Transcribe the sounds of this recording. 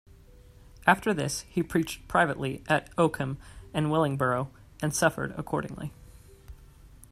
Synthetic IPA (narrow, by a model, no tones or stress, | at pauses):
ʔæftə˞ðɪshipʰɹ̥it͡ʃ̚pʰɹ̥aɪvɨʔliʔɨɾoʊkʰɨ̃mɨ̃nwɪlˠɪ̃ŋbə˞oʊ | ɨ̃nsʌfə̰˞ɾə̰kʰɔɹɾɪ̰̃ŋlḭ